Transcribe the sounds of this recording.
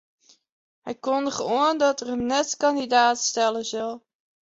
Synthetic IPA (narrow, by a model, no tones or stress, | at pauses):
ɦɛjkɔndəχəʋoəndɑtərəmnɛtkɑndidaːtstɛləzəlˠ